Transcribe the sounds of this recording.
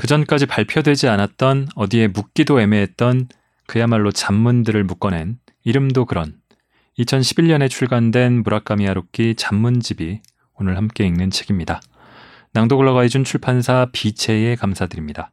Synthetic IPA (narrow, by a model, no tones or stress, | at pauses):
kɯd͡ʑʌnk͈ad͡ʑipaɭpʰjʌdwe̞d͡ʑianat̚t͈ʌnʌdie̞muk̚k͈idoe̞me̞ɦet̚t͈ʌn | kɯjamaɭːot͡ɕamːundɯɾɯɭmuk͈ʌnɦe̞n | iɾɯmdokɯɾʌn | it͡ɕʰʌnɕʰibiʎɲʌne̞t͡ɕʰuɭɡandwe̞nmuɾak͈amiaɾok͈it͡ɕamːund͡ʑibi | onɯɭhamk͈e̞innɯnt͡ɕʰe̞ɡ̥imɲida | naŋdoɡɯɭːʌɡaid͡ʑunt͡ɕʰuɭpʰansʰapit͡ɕʰe̞e̞kamsʰadɯɾimɲida